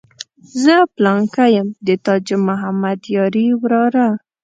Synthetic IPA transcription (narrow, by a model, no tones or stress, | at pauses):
zəplɑŋkajəmd̪ət̪ɑd͡ʒəmʊɦamad̪jɑɾiwɾɑɾa